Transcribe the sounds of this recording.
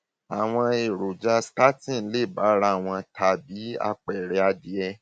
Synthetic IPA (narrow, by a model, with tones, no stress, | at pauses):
a˨w̃ɔ̃˧e˨ɾo˨d͡ʒa˧ska˦tĩ˦˨˦le˦˨ba˨˦ɾa˧˦˨w̃ɔ̃˧tʰa˧bi˨˦a̰˧k͡pɛ˨ɾɛ˧a˧di˧ɛ˧